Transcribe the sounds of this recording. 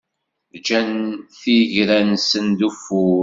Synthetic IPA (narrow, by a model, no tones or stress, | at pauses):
ðd͡ʒænθiʝɾænsənd̪ufʊ